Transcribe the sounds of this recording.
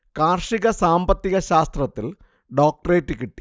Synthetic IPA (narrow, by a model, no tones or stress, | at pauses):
kaːrʂiɣɐsaːmbɐt̪ːiɣɐɕaːst̪rɐt̪ːil | ɖoːk̚ʈɐreːtːɨkiʈːi̥